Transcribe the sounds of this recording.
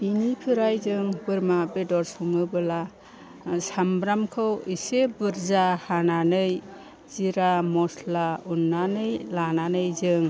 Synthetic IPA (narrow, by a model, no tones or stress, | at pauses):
b̥inipʰɯɾajzɯŋbɯɾmabedɔɾsumɯbɯla | sambɾamkʰɯwisebɯɾzahananɯj | z̥iɾamɔslaunːanɯjlananɯjzɯŋ